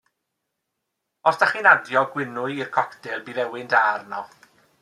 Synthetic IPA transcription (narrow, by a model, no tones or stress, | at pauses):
ɔsd̥aχinadjɔɡwɪnʊɨirkʰɔkdɪlˠbivɛwɪndaːrnɔ̰